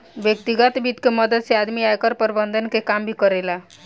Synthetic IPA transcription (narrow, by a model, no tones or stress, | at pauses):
bjək̚t̪iɡət̪bit̪keməd̪əd̪sead̪miajkəɾpəɾbənd̪ʱənkekambʱikəɾela